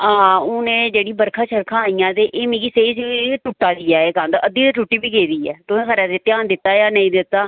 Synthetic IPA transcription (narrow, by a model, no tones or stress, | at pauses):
ãːʊnẽːd͡ʒeːɽiːbəɾkʰaːʃəɾkʰãːaːiːãːt̪eːʔeːmĩːɡiːseːd͡ʒiʈuʈːaːd̪iːaːeːkãnd̪aəd̪iːd̪eʈuʈːiːbiːkeːd̪iːɛ̰ːt̪ʊẽːkʰəɾaːd̪et̪ɪãːnd̪ɪt̪ːaːjaːnə̃ĩːd̪ɪt̪ːaː